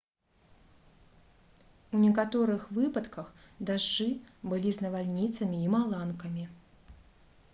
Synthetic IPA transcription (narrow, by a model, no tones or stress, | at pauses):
unʲɛkat̪ɔɾɨxvɨpɐt̪kɐxd̪aʐːɨbɨlʲiznɐvalʲnʲit̪sɐmʲiːmalˠankɐmʲi